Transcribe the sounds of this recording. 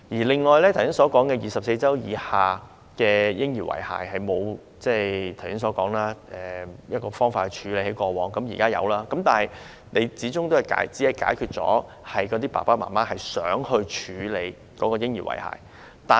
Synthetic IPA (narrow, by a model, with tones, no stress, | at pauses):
jiː˨˩lɪ˨ŋːɔː˨jlɛ˥t̪ʰwsɪ˥ŋsɔː˨˥kɔː˨˥ŋkɛː˧jiː˨˩sɐ˨p̚se˧jt͡sɐ˥wjiː˨˧haː˨ | kɛː˧jɪ˥ŋjiː˨˩wɐ̰˨˩jha̰ː˨˩jhɐ˨jmo˨˧w | t͡sɛː˥˩t̪ʰwsɪ˥ŋsɔː˨˧˥kɔː˨˥ŋlaː˥ʔɛː˨˩jɐ˥t̚kɔː˧fɔː˥ŋfaː˧t̚hɛ˨˩t͡ʃʰyː˨˧le˨˧jhe˨˥jkʷɔː˧wɔː˨˩ŋkɐ˨˥mjiː˨˩kaː˥jɐ̰˨˧wlaː˥kɐ˨˥mt̪aː˨˩nhɐ˨j | ne˨˧jt͡siː˨˥t͡sʊ˥ŋt̪o˥wɐ˨jka̰ː˨˥jt͡siː˨˥hɐ˨jkaː˨˥jkʰyː˧t̚t͡sɔ̰ː˨˥ | hɐ˨jkɔ˨˧˥t̪iː˥pa̰ː˨˩paː˥maː˨˩maː˥hɐ˨˩jsœː˨˥ŋhɵ˧ɥt͡ʃʰyː˨˧le˨˧j | kɔː˨˥kɔː˧jɪ˥ŋjiː˨˩wɐ̰˨˩jha̰ː˨j | t̪aː˨